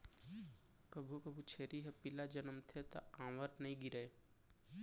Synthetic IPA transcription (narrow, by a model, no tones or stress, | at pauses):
kəbʱukəbʱut͡ʃʰeːɾiɦɛpɪlad͡ʒənmt̪ʰet̪a̰ãːʋəɾnɐɦĩɡɪɾəe